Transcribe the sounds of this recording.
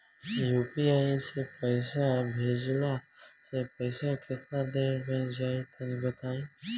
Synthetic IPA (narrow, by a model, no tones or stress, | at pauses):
juːpiaːisepəɪsabʱeːd͡ʒlasepəɪsakɪt̪nad̪eːɾbʱɛ̃ːnd͡ʒaːit̪ʰɐnĩbət̪aːĩː